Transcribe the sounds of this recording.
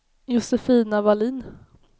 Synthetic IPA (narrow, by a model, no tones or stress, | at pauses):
jʊsɛfiːnavaliːn